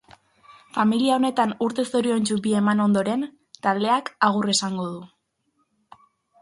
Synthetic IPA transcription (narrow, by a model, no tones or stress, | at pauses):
familiao̞ne̞t̪anuɾt̪e̞so̞ɾio̞nt͡ʃuβiemano̞nd̪o̞ɾe̞n | t̪ald̪e̞akaɣ̞uresaŋɡo̞ð̞u